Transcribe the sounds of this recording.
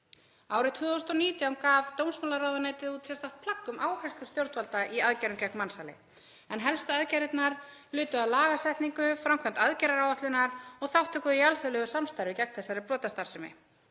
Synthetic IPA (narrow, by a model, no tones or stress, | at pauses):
aːwɾɪt̪ʰʏðowst̪ɔniːt̪jawmkavt̪ownsmaːlaɾawðanaːjt̪ɪðuːt̪sɛst̪aht̪̚pʰlakːʏmʔaːwkɛst̪ʏst̪jowɾt̪valt̪aʔiaðcɛɾɪncɛkmmansalɪ̰ | ɛnɦɛlst̪aaðcɛɾɪt̪naɾ | lʏːt̪ʏaðlaːɣasɛjht̪niŋkʏfɾamkʰvœn̥t̪aðcɛɾaɾawvaht̪lʏnaɾɔɣθawht̪ʰʏkʏðialfœlœɣʏsamst̪ajɾvɪcɛk̚nθɛsːaɾɪplɔːt̪ast̪aɾ̥sɛmɪ̰